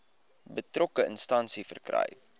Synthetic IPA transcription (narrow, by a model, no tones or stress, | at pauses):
bətrɔkəənstɐnsifərkrɐ̰j